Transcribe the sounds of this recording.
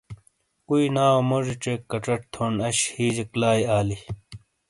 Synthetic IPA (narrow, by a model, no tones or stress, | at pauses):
kuinaːwomoʐit͡ɕekːɐʈ͡ʂɐʈ̚t̪ʰoːnɐɕhiːd͡ʑeklaːjaːli